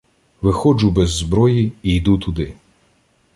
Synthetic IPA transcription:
ʋɪxɔd͡ʒʊbɛzːbɾɔjiijd̪ut̪ʊd̪ɪ

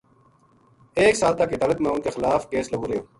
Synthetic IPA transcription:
eːksaːlt̪akːet̪ələkmẽːʊnkeːxɪlaːfkeːsləɡoːɾɐjoː

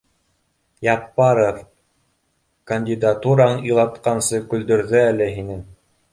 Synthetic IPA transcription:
jɑpːɑɾof | kɐnʲdʲid̪at̪uɾɴɤlˠɑt̪qɑnsɤkɵ̆ld̪ɵ̆ɾðɵælɘɦinɘŋ

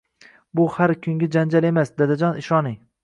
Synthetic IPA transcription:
bʊhaɾkʰʲʊŋɡʲad͡ʒand͡ʒale̞masd̪ad̪ad͡ʒɒnɪʃɒnɪ

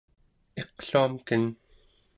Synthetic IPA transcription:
e̞qɬuamkən

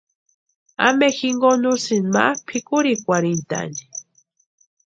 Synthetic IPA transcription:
a̰mexiŋɡonusinma̰pʰikʊɾikʷaɾint̪a̰ni

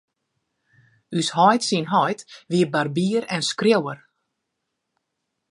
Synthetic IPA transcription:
yshɔjtsinɦɔjtʋiəbarbiəɾɛnskrjowər

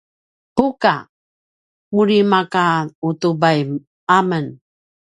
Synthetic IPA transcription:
puka̰ | muɾimakautubajm | amən

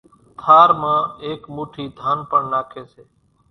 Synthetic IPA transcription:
t̪ʰaːɾmãːeːkmuːʈʰiːd̪ʱaːnpəɳnaːkʰeːseː

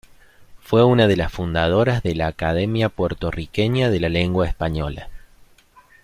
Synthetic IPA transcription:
fwe̞unaðe̞lasfund̪að̞o̞ɾazðelaːkað̞emjapweɾt̪o̞rikeɲaðe̞lale̞ŋɡwaespaɲo̞la̰

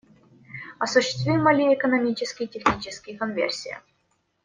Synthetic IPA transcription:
asuɕːɪ̥st̪vʲijmɐlʲiekonomʲit͡ɕɪskʲitʲexnʲit͡ɕɪskʲikonvʲḛrʲsʲijə̰

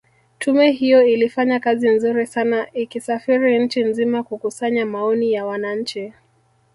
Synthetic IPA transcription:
tʰumɛhijɔilifaɲakazin̩zuɾisanaʔikisafiɾiɲ̩t͡ʃinzimakukusaɲamaɔnijawanaɲ̩t͡ʃi

